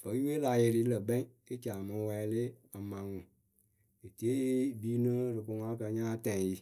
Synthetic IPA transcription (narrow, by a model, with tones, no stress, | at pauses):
fə˨˦i˦e˦la˨je˨ɾi˨˦i˦lə˨bɛ̃˦ | i˦t͡ʃa˨mɨ̃˧˦wɛ˨˦lɪ˦a˨mã˨ŋʊ̃˨ | e˨ti˨˦e˦i˦biː˦nɨ̃˦ɾɨ˨ku˧ŋã˦kə˧˦ɲãː˦tɛ̃˨ji˨